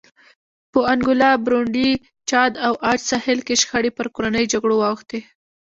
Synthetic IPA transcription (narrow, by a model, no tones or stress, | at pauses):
pəaŋɡʊlɑbɾoɳɖi | t͡ʃɑd̪awʔɑd͡ʒsɑhɪlkeʃxaɽepəɾkoɾanəjd͡ʒaɡɽowɑwxt̪e